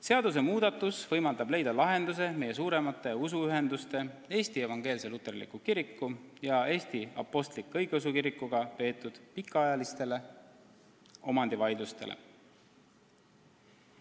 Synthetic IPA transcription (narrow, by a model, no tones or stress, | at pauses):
se̞ɑd̪̥us̬e̞muːd̪̥ɑt̪ːˑusvɤ̞jmɑld̪ɑb̥le̞jd̪̥ɑlɑɦe̞nd̪us̬e̞me̞je̞s̬uːɾe̞mɑt̪ːˑe̞usuyɦe̞nd̪ust̪e̞e̞ːst̪ie̞vɑŋɡ̥e̞ːlse̞lut̪ːˑe̞rlḭkːukiɾikːujɑe̞ːst̪iɑ̰pːˑo̞st̪likːɤjɡeosukiɾikːuɡ̥ɑpe̞ːt̪ːˑud̪̥pikːˑɑɑjɑlist̪e̞le̞ | o̞mɑnd̪̥ivɑjd̪ust̪e̞lʔḛ